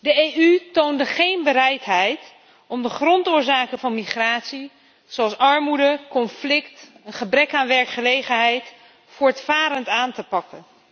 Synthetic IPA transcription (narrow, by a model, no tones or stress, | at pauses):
dəejytowndəχejnbəɾɛjtɦɛjt | ɔmdəχrɔntʊːɹzaːkənvɑnmiχraːtsi | zoɑlˠsɑɹmudəkɔnflɪktənχəbrɛkaːnʋɛɹkχəlejχənɦɛjt | fʊːɹtfaːɾəntaːntəpɑkən